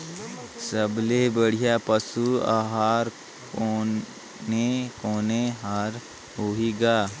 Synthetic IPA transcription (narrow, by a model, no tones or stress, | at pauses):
səblebəɽ̤ijapəsua̰ːɦaːɾ | ko | nekoːneɦaːɾ | ɦoɦiɡaː